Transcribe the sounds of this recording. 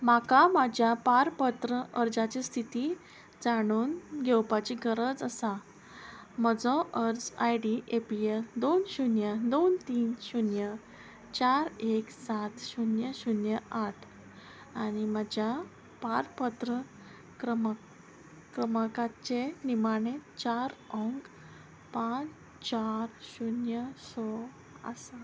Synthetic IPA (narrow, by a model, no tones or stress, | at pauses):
makamad͡ʑʱjapaɾpət̪ɾəəɾd͡zat͡ɕist̪ʰit̪iː | d͡zaɽ̃uːnɡʱewpat͡ɕiɡʱəɾəd͡zəsa | məd͡zɔ̃ʔəɾd͡zajɖiʔepield̪onɕunjəd̪ont̪iːnɕunjə | t͡ɕaɾeksat̪ɕunjəɕunjəʔaʈʰ | añimad͡ʑja | paɾpət̪ɾə | ɾəm | kɾəməkat͡ɕenimaɳ̃et͡ɕaɾɔŋk | pãt͡s | t͡ɕaɾɕunjəsɔ | ə̰sa